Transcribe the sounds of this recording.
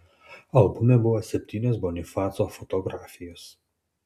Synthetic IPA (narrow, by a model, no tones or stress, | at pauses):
ɐlˠbʊmʲɛbʊʋoːsʲɛpʲt̪ʲiːnʲoːsbonʲɪfɑːt̪soːfɔt̪ɔɡɾaːfʲɪjoːs